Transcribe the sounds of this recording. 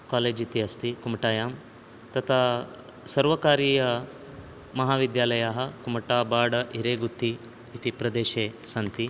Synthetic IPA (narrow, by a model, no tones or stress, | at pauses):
kaːleːd͡ʒit̪iɐst̪ikumɐʈaːjaːm | t̪ɐt̪ʰaː | sɐɾʋɐkaːɾiːjɐ | mɐɦaːʋid̪jaːlɐjaːɦɐ̆kumɐʈaːbaːɖɐʔiɾeːɡut̪ʰːiː | t̪ipɾɐd̪eːʃeːsɐnt̪i